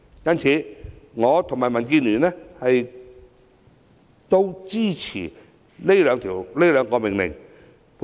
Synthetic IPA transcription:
jɐ˥nt͡sʰiː˨˧˦ŋɔː˨˧t̪ʰʊ˨˩maː˨˩jmɐ˨˩nk̬iː˧nlyː˨˩nɛː˥hɐ˨j | t̪o˧wt͡ɕiː˥˩t͡sʰḭː˨˩ | le˥jlœː˨˧ŋt̪ʰiː˨˩wle˥jlœː˨˧ŋkɔː˧mɪ˨˩ŋlɪ̰˨˩ŋ | p

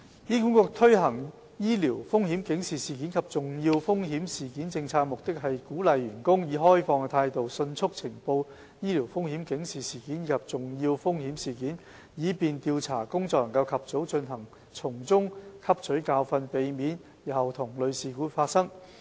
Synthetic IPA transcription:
jiː˥ku˨˥nkɔː˧k̚t̪ʰɵ˥ɥɦɐ˨˩ŋ | jiː˥li˨˩wfʊ˥ŋhiː˨˥mkɪ˨˥ŋsiː˨siː˨kiː˨˥nkʰɐ˨p̚t͡sʊ˨ŋjiː˧wfʊ˥ŋɦiː˨˥msiː˨˩kiː˨˥nt͡sɪ˧ŋt͡sʰaː˧k̚mʊ˨k̚t̪ɪ˥k̚ɦɐ˨jkuː˨˥lɐ˨jɥyː˨˩nkʊ˥ŋjiː˨˥ɦɔː˥jfɔː˧ŋ˧t̪ʰaː˧jt̪o˨wsɵ˧nt͡sʰʊ˥k̚t͡sʰɪ˨˩ŋpo˧w | jiː˥li˨˩wfʊ˥ŋhi˨˥mkɪ˨˥ŋsiː˨˩siː˨˩kiː˨˥njiː˨˧kʰɐ˨p̚t͡sʊ˨ŋjiː˧wfʊ˥ŋhi˨˥msiː˨˩kiː˨˥n | jiː˨˧piː˨nt̪i˧wt͡sʰaː˨˩kʊ˥ŋt͡sɔ˧k̚lɐ˨˩ŋkɐ˧wkʰɐ˨p̚t͡so˨˥wt͡sɵ˧nɦɐ˨˩ŋ | t͡sʰʊ˨˩ŋt͡sʊ˥ŋkʰɐ˥p̚t͡ʃʰɵ˨˥ɥkaː˧wfɐ˧npe˨jmiː˨˥njiː˨˩hɐ˨wt̪ʰʊ˨˩ŋlɵ˨˧ɥsiː˨kuː˨˥faː˧t̚sɐ˥ŋ

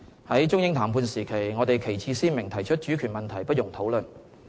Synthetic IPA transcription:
hɐ˨˥jt͡ʃʊ˥ŋjɪ˥ŋt̪ʰaː˨˩mpʰuː˧nsiː˨˩kʰe˨˩jŋɔː˨˧t̪e˨jkʰe˨˩jt͡sʰiː˧siː˥nmɪ˨˩ŋt̪ʰɐ˨˩jt͡ʃʰɵ˥t̚t͡ʃy˨˥kʰyː˨˩nmɐ˨nt̪ʰɐ˨˩jpɐ˥jʊ˨˩ŋt̪ʰo˨˥wlɵ˨n

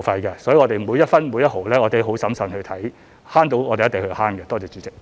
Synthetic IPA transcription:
fɐ˧jkɛː˧sɔː˨˥jŋɔ˨˧t̪e˨˩muː˨˧jɐ˥t̚fɐ˥nmuː˨˧jɐ˥t̚ho˨wlɛː˥ŋɔː˨˧t̪e˨˥ɦo˨˥wsɐ˨˥msɐ˨˩nhɵ˧t̪ʰɐ˨˥j | haː˥nt̪o˨˧˥wŋɔː˨˧t̪e˨jɐ˥te˨ŋhɵ˧haː˥nkɛː˧t̪ɔː˥t͡sɛː˨˧t͡sy˨˧t͡sɪ˥k̚

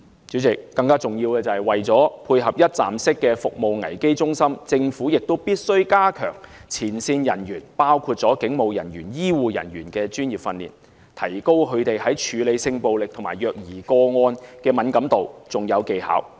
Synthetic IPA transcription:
t͡syː˨˥t͡sɪ˨kːɐ˧ŋkaː˥t͡sʊ˨ŋjiː˧wkɛː˧t͡sɐ˨ɐ˨˩jwɐ˨jt͡sɔː˨˥pʰuː˧jɦɐ˨p̚jɐ˥t̚t͡sa̰ː˨msɪ˥kːɛː˧fʊ˨k̚mo˨wŋɐ˨˩jke˥jt͡sʊ˥ŋsɐ˥mt͡sɪ˧ŋfuː˨˥jɪ˨k̚t̪o˥wpiː˥t̚sɵ˥ɥkaː˥kʰœ̰ː˨˩ŋt͡sʰiː˨˩nsiː˧njɐ˨˩njyː˨˩npaː˥wkʰuː˧t̚t͡sɔː˨˥kɪ˨˥ŋmo˨wjɐ̰˨˩njyː˨˩njiː˥wuː˨jɐ̰˨˩njyː˨˩nkɛː˧t͡ʃyː˥njiː˨˩p̚fɐ˧nlḭː˨˩n | t̪ʰɐ˨˩jko˥wkʰɵ˨˧ɥt̪e˨jhɐ˨˥jt͡ʃʰyː˨˧le˨˧jsɪ˧ŋpo˨wlɪ˨k̚t̪ʰʊ˨˩ma̰ː˨˩jœː˨k̚jiː˨˩kɔː˧ŋɔː˧nkɛː˧mɐ˨˥nkɐ˨˥mt̪o˨wt͡sʊ˨ŋjɐ˨˧wke˨jha̰ː˨˥w

